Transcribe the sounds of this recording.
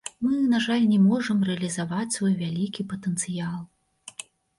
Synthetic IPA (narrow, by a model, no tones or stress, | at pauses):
mɨnaʐalʲnʲɛmɔʐɐmrɛɐlʲizavat͡sʲsvɔjvʲalʲikʲipɐt̪ənt̪sɨjalˠ